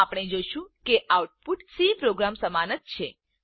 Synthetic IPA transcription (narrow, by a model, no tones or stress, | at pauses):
apɽ̃ed͡ʒoʃũkeʔawʈ̚puʈsipɾoɡɾamsəmanət̪̚t͡ʃʰe